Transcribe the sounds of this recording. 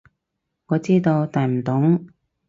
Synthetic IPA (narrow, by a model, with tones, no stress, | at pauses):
ŋɔː˨˧t͡siː˥t̪o˧wt̪aː˨˩jm̩˨˩t̪ʊ˨˥ŋ